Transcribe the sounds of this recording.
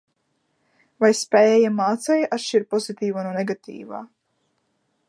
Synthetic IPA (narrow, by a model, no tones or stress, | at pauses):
vajspɛɛːjamaːt̪sɛjʔat̪ʃt͡ʃiɾpɔzit̪iːvanɔnɛɡat̪ḭːva̰ː